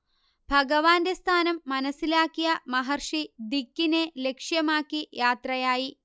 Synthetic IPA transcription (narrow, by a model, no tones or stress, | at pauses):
bʱɐɡɐʋaːndest̪ʰaːnɐmːɐnɐsilaːkːijɐmɐɦɐrʂid̪ikːine̞le̞kʂjɐmaːkːijaːt̪rɐjaːji